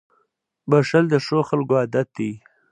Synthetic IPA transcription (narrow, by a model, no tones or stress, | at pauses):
baʂald̪əʂoxalɡoad̪at̪̚d̪i